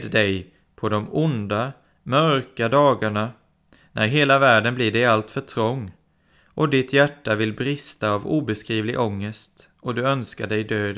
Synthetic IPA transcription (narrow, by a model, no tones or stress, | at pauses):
d̪d̪ɛj | pʰɔd̪ɔmʊnd̪a | mœɾkad̪ɑːɡaɳa | nʔæ̰ɾɦeːlavæːɖənblɪɖɛjalt̪fœʈʰɾɔŋː | ʔɔd̪ɪt̪jæʈːavɪlbɾɪst̪aːvṵːbɛskɾiːvlɪɡʔɔŋːəst̪ | ɔd̪ɵœnskaɖɛjd̪øːd̪